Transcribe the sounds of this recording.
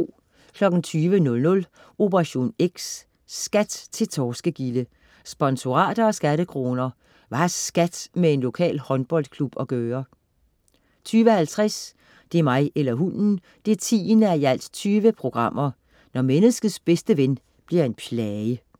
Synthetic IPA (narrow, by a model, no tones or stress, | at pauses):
o̝̰ | kʰlɒ̽ɡ̥n̩t͡sʰyːʋənɔ̽lnɔ̽l | o̝bʰəʁɑ̈ɕo̝̰ːneɡ̥sː | ɡ̥æd̥t͡sʰe̝lt͡sʰɒːsɡ̥əɡ̥ilə | sb̥ɒ̽nso̝ʁɑ̰̈ːd̥ɐɒ̽sɡ̥æɾəkʰʁo̝ːnɐ | ʋɑ̈sɡ̥æd̥mee̝nlo̝kʰɛ̰ːlhɒ̽nb̥ɒ̽l̰d̥̚kʰlub̥ɒ̽ɡ̥øːɐ | t͡sʰyːʋəhælt͡sʰʁɛs | d̥e̝mɑ̈ɪelɐɦunn̩ | d̥e̝t͡sʰḭːnəæɐjæl̰d̥t͡sʰyːʋəpʰʁo̝ɡ̥ʁɑ̈m̰ɐ | nɒmenəsɡ̥ð̩ˠsb̥esd̥əʋen | b̥liɐe̝npʰlɛːjə